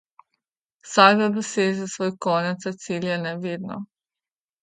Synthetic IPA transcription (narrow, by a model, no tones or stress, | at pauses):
saɡlad̪usezesʋoːjkonet̪sat̪siːljenɛʋid̪no̰